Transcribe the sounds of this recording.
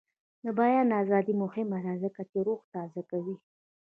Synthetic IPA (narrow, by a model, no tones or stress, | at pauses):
d̪əbɑjɑnɑzɑd̪imʊhɪmalazəkat̪eɾoxt̪ɑzakawi